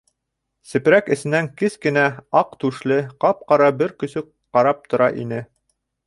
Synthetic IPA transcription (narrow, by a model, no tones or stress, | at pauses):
sɘ̆p̆ɾækɘ̆sɘ̆næŋkɘskɘ̆næɑqt̪ʉʃlɘqɑp̚qɑɾɑbɘɾkɵ̆sɵ | qːɑɾɑp̚t̪ŏɾɑʔḭnɘ